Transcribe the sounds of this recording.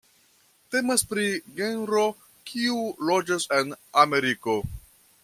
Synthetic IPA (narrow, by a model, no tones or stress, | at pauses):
te̞maspɾiɡe̞nɾo | kʰiulod͡ʒase̞name̞ɾiko̞